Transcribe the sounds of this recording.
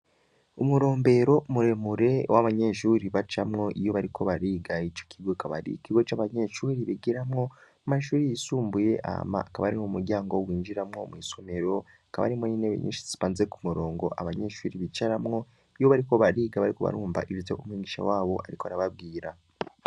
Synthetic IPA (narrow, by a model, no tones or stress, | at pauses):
umuɾo̞ːmbe̞ɾo̞muɾe̞muɾe̞waβaɲe̞ʃuɾiβat͡ʃamŋo̞ʔijo̞βaɾikʰo̞βaɾiːɡait͡ʃo̥kʰiɡokaβa̰ɾḭkiɡo̞t͡ʃaβaɲe̞ʃuːɾiβiɡiɾamŋo̞ | maʃuːɾijisuːmbuje̞ʔa̰ma̰ːkaβaɾimomuɾɟaːŋɡo̞wiːɲd͡ʒiɾamŋo̞mwiːso̞me̞ɾo̞ | akaβa̰ɾimoɲineḭɲḭːʃi̥ziβaːnzeku̥muɾo̞ːŋɡo̞ʔaβaɲe̞ʃuːɾiβit͡ʃaɾamŋo̞ | ijo̞βaɾiko̞βaɾiːɡaβaɾiko̞βa̰ɾuːɱva̰ʔiβizḛumwiːɡiʃa̰waːβo̞ʔaɾikoaɾaβab̚ɡiːɾa